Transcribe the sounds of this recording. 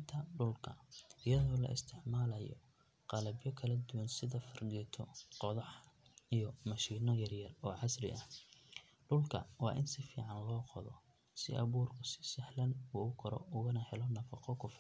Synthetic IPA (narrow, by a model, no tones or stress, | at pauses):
t̪ʰɐɖʊlkʰɐ̰ɪjɐðɔːlɐ̰ʔɪ̰st̪ʰɪʕmaːlɐjɔ̰ | qɑlɐbjɔkʰɐlɐd̪ʊwɐnsɪðɐfɐrɡɛt̪ʰɔqɔðɐħijɔmɐʃiːnɔjɐrjɐrɔːʕɑsrɪ̰ʔɐh | ɖʊlkʰɐ̰wɑ̰ːʔɪnsɪfḭːʕɑnlɔːqɔðɔ̰ | sɪ̰ʔɐβuːrkʰʊsɪ̥sɪħlɐnuʊkʰɔɾɔ̰ʊɣɐnɐhɛlɔnɐfɑqɔkʰʊf